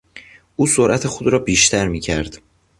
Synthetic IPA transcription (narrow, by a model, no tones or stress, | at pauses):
ʔuːsoɾʔæt̪ʰe̞xod̪ɾɒːbiːʃt̪ʰæɾmiːcʰæɾd̪̥